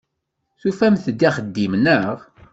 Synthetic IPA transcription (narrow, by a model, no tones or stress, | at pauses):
θufæmθəd̪ːiχəd̪ːimnəʁ